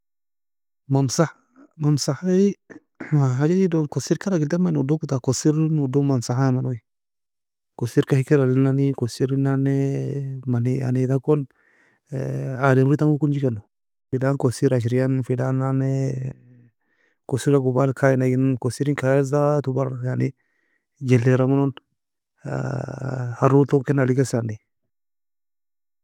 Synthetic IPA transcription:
mamsa | mamsaha | maɦad͡ʒadidokosiɾkaɾaɡiltamanudokutakosiɾnudomamsaamanoi | kosiɾkahikiɾalinanikosiɾinanemanea̰nedakon | ademɾitaŋukund͡ʒikeno | fidankosiɾaʃ̬iɾijanfidananɛ | kosiɾaɡubalkʰajinaɡinkosiɾiŋkajezat̪ubaɾaɡani | d͡ʒelːeɾamunon̰ | haɾutokenalikesani

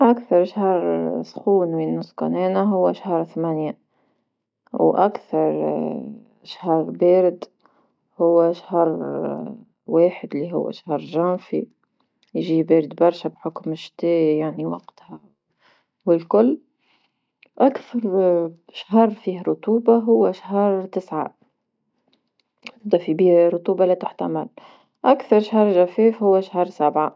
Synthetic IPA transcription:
ʔakθɑɾˤʃhɑɾˤsˤxuːnmiːnːʊskɑ̰neːnaɦʊwːæʃahɑɾˤθmænja | wʔakθɑɾˤ | ʃhɑɾˤbeːɾɪd̪ | hʊwːaʃhɑɾˤ | weːħɪd̪liɦʊ̰wːæ̰ʃahɑɾˤʒænfḭ | jʒiːbeːɾɪd̪bɑɾˤʃabħʊkmɪʃt̪eːjaʕniwɑɡt̪ha | wɪlkʊlː | ʔakθɑɾˤʃahɑɾˤfiːhɾˤʊt̪uːbaɦʊwːaʃɦɑɾˤt̪ɪsʕa̰ | d̪afibiːhɾˤʊt̪uːbalat̪ɪħt̪amɪl | ʔakθɑɾˤʃhɑɾˤʒafeːfhʊwːaʃhɑɾˤsabʕa

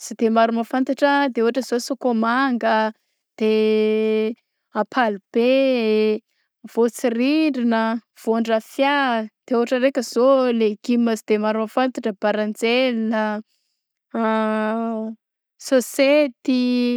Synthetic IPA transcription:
sid̪emaɾuməfant̪aʈ͡ʂəd̪euɦaʈ͡ʂəzosokomaŋɡə | d̪̥e | apʰalub̥e | v̥ot͡siriɳɖ͡ʐinə | v̥oɳɖ͡ʐafjad̪̥euɦaʈ͡ʂəɾekʲəzoleɡ̥iməsid̪emaɾumafant̪aʈ͡ʂəb̥aɾand͡zelnə | soset̪i

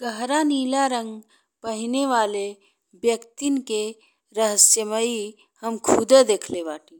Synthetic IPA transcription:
ɡəɦɾaniːlaɾə̃ŋɡ | pəɦɪneʋaːle | bjəkt̪inke | ɾəɦəsjəməi | həmkʰud̪ed̪eːkʰlebaːʈĩː

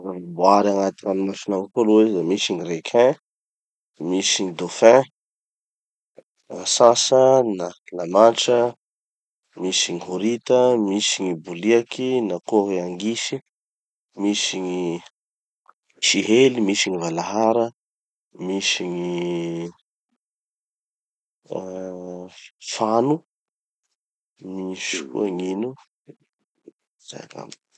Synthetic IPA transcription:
avubuaɾaŋat̪ianumafinaŋkoluwezamisiɲirekʰɛ̃ | misiɲid̪ofɛ̃ | asãsənalamaʈ͡ʂə | misiɲiɦoɾit̪əmisiɲibuliakʰinakoɦeaŋɡisi | misiɲi | ʃiɦelimisiɲivalaɦaɾə | misiɲi | fanu | misi̥kṵaŋinu | z̥a̰ka̰m

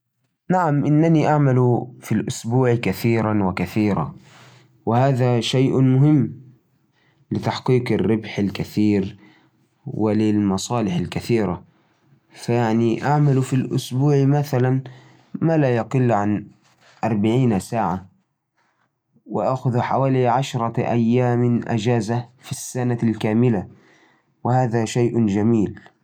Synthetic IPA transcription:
naʕamʔɪnːaniʔaʕmalufilʔʊsbuːʕkaθiːɾanwɪkaθiːɾa̰ | wɪhaːðaʃajʔmʊɦɪmː | lɪt̪aħqiːqɪrːɪbħalkaθiːɾ | wɪlɪlmɑsˤɑːlɪħalkaθiːɾa | fajaʕniʔaʕmalfilʔʊsbuːʕmaθalan | maːlaːjɑqɪlːʕan | ʔɑɾˤbaʕiːnsaːʕa | wɪʔaʔxʊðħawaːliʕaʃɾˤɑʔa̰jːaːmɪʔa̰d͡ʒaːzafisːanalkaːmɪla | wɪhaːðaʃajʔd͡ʒamiːl

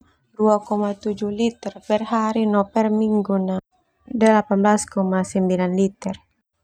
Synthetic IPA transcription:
duakɔmat̪ud͡ʒuhlit̪ɛrpɛrɦaɾinɔpɛrmiŋɡuna | dəlapanblaskɔmasəmbilanlit̪ɛr

